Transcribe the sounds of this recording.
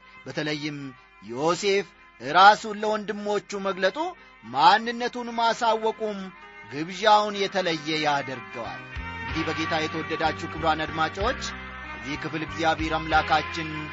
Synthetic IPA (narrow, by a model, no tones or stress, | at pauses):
bət̪ʰələjːɪm | jose̞f | ʔɨɾasulːəwɔnd̪ɨmːo̞t͡ʃːuməɡlət̪ʼu | manːɨnːət̪unmasawːɔkʼumɡɨβʒawnjɛt̪ʰələjːɛjad̪əɾɡəwa̰lʔɨŋɡd̪ihbəɡe̞t̪ʰajɛt̪ʰəwɔd̪ːəd̪at͡ʃːukʰɨβɾanad̪mat͡ʃʼawot͡ʃː | ʔəzːihkɨflɨɡzjaβhe̞ɾamlakʰat͡ʃːɪn